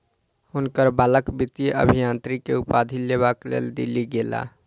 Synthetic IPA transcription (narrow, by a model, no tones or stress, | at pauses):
ʊnkəɾbaːləkbit̪iʔə̰bʱijãnt̪ɾikeupad̪ʱileβaklḛld̪ḭliɡela̰